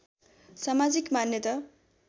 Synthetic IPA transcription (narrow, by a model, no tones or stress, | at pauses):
samad͡zikmanjʌt̪ʌ